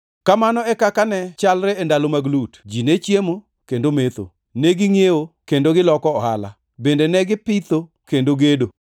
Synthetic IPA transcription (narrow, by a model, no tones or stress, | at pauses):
kamanɔɛkakanɛt͡ʃalɾɛendalomaɡlutd͡ʒinet͡ʃjemo | kendomet̪o̰ | neɡɪŋjewokendoɡɪlɔkɔɔha̰la̰ | bendenɛɡɪpɪt̪o | kendoɡedo